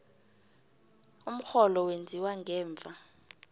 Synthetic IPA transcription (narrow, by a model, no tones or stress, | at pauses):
um̩xɔlɔwend͡zʱiwaŋɡɛːɱvʱa